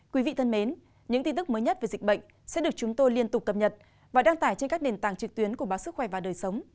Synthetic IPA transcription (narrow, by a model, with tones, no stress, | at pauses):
kwi˨˦vḭ˧˨t̪ʰə˧nme˨˦n | ɲɨ̰˧˥ŋt̪i˧nt̪ɨ˦˥k̚mə˨˦jɲə˦˥t̚ve˨˩zï˨˩k̟̚ɓə̰˧˨ŋ̟ | sɛ̰˧˥ɗɨ˨˩ək̚t͡ɕʊ˨˦ŋ͡mt̪o˧jli˧ənt̪ʊ˨˩k͡p̚ːə˨˩p̚ɲə˨˩t̚ | vaː˨˩ɗaː˧ŋt̪aː˧˩jt͡ɕe˧nkaː˦˥k̚ne˨˩nt̪aː˨˩ŋt͡ɕɨ˨˩k̚t̪wi˨˦ənku˧˩əɓaː˨˦sɨ˦˥k̚xwɛ˧˩vaː˨˩ɗəː˨˩jsə˨˦wŋ͡m